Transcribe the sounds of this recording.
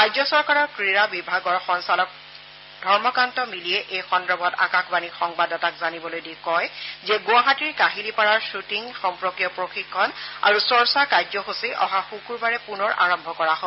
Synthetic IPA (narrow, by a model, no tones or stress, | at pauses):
kajzɔsɔɹkaɹɔɹkɹiɹabibʱaɡɔɹxɔnsalɔk̚ | dʱɔɹmɔkantɔmilijɛʔejxɔndɹɔbʱɔta̰kakʰbanixɔŋbadɔtakzanibɔlojdikɔjzɛɡʊaɦatiɹkaɦilipaɹaɹsutiŋxɔmpɹokijɔpɹoxikʰːɔna̰ɹusɔɹsakajzɔxusiʔɔ̰ɦaxukuɹbaɹɛpunɔɹʔa̰ɹɔmbʱɔkɔɹaɦo